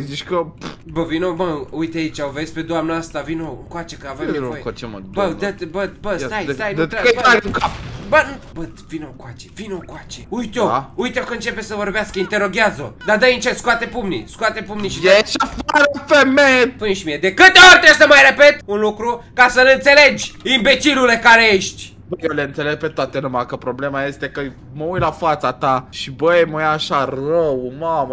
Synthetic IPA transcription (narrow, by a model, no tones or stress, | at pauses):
ziʃkəbəvinobəujt̪eait͡ʃaovesʲpe̞d̪oamnəast̪avino̰kwat͡ʃekəavemnvojeema̰bəd̪et̪bət̪bəst̪ajt̪aj̪eab̪ɾaɡuŋkapbənbət̪vinokwat͡ʃe̥vinokwat͡ʃeujt̪oujt̪eokəɨnt͡ʃe̞pesəvo̞ɾbeaskəint̪eɾo̞ɡʲjazo̰d̪ad̪əjint͡ʃeskuat̪epumnḭskuat̪epumniʃideʃafaɾəfemejepuneʃimijed̪e̞kɨt̪eorʲt̪ɾezəmajɾe̞pe̞t̪unlukɾukasəlɨnt̪se̞le̞d͡ʒʲimbe̞t͡ʃilule̞kaɾejeʃt̪ʲ | bəjewleɨnt̪se̞le̞ɡ̚pet̪oat̪e̞numakəpɾo̞ble̞maje̞st̪e̞kə | məujlafat̪sat̪aʃibəeməjaʃarəwmamə